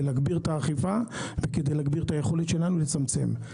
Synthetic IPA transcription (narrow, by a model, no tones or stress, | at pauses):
laɡbiʁt̪aːχifaveked̪ejlaɡbiʁt̪ajeχo̞let̪ʃe̞lanulet͡samt͡se̞̰m